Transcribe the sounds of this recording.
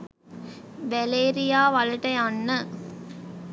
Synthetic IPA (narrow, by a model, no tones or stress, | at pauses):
bæleːɾijaːʋɐlɐʈɐjanːə